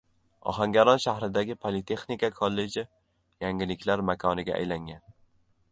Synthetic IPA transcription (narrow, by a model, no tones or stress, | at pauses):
ɒ̰ɦaŋɡʲaɾɒnʃahɾɪd̪aɡʲɪpʰolit̪ʰe̞χnikakʰolːe̞d͡ʒɪ | jaŋɡʲɪlɪkʲʰlaɾmakʰɒnɪɡʲa̰ʔa̰jlaŋɡʲan